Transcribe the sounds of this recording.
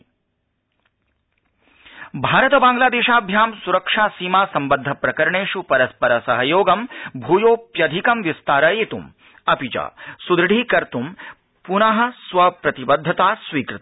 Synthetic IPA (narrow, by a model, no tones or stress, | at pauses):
bʱaːɾɐt̪ɐbaːŋɡlaːd̪eːʃaːbʱjaːmsuɾɐkʂaːsiːmaːsɐmbɐd̪ʱːɐpɾɐkɐɾɐɳeːʃupɐɾɐspɐɾɐsɐɦɐjoːɡɐmbʱuːjoːpjɐd̪ʱikɐmʋist̪aːɾɐjet̪um | ɐpit͡ʃa̰ːsud̪ɾɐɖʱiːkɐɾt̪um | punɐɦɐ̆sʋɐpɾɐt̪ibɐd̪ʱːɐt̪aːsʋiːkɾɪt̪